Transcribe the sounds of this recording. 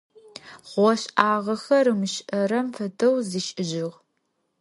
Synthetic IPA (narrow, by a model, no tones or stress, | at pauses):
ʁʷɔɕʔaːʁɐxɐɾɨmɨʃʔɐɾɐmfɐdɐwziːʃʼɪʒɪʁ